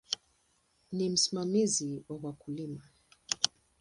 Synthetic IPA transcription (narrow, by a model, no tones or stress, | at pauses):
nim̩simamiziwawakulima